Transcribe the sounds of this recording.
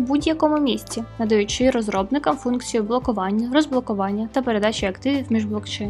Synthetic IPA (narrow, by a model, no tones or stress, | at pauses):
budʲjɐkɔmʊmʲisʲt͡sʲinɐd̪ɐjut͡ʃɪɾɔzɾɔbnɪkɐmfunkt͡sʲijʊblˠɔkʊʋɑnʲːɐɾɔzblˠɔkʊʋɑnʲːɐt̪ɐpe̞ɾe̞d̪ɑt͡ʃʲiɐkt̪ɪʋʲiwmʲiʒblˠɔkt͡ʃɛjn